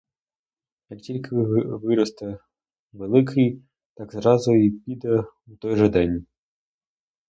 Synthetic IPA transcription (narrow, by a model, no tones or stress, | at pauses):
jɐktʲilʲkɪʋɪɾɔst̪ɐ | ʋelˠɪkʰɪj | t̪ɑɡzɾɑzʊipʲid̪ɛ | wt̪ɔjʐɛd̪ɛnʲ